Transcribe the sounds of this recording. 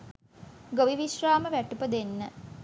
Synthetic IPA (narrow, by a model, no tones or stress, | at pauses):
ɡoʋiʋiʃraːməʋæʈupəd̪enːə